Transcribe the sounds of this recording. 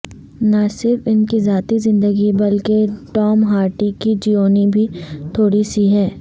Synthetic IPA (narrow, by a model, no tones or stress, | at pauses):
nɐsɪɾfɪnkizaːt̪izɪ̃nd̪əɡibɐlkeʈɔːmɦaːɾʈikid͡ʒiːoːnibʱit̪ʰoːɽisiɦɛː